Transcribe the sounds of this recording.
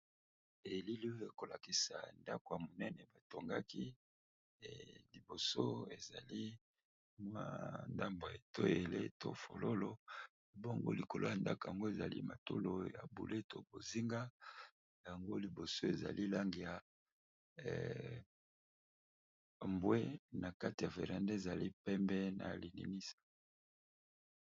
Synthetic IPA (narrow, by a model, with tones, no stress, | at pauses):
e˨li˦li˦o˦e˦˨ko˨la˨ki˨sa̰˨nda˦ko˨ja˨mo˨nɛ˦nɛ˨ba˨to˨ŋɡa˦ki˦˨ | li˨bo˨so˦e˨za̰˨li˦ | mwa˦nda˦mbo˨e˨to˦e˨le˦to̰˨fo̰˨lo˦lo˦˨ | bo˦ŋɡo̰˦li˨ko˨lo˦ja˨nda˦ko˨ja˨ŋɡo˦e˨za̰˨lḭ˦ma˨to˦lo˨ja̰˨bṵ˨lʔe˦to˨bo˨zi˦ŋɡa˦ | ja˨ŋɡo˦li˨bo˨so˦e˨za̰˨li˦la˦ŋɡi˨ja˨ | mbwe˦na˨ka˦ti˨ja˨fḛ˨ʁa˨nde˦e˨za˨li˦pɛ˦mbɛ˦na̰˨li˨nḭ˨ni˦sḁ˨